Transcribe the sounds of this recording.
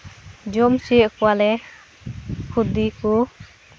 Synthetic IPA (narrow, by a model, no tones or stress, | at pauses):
d͡ʒɔmsijəʔkɔwalɛ | kʰud̪iku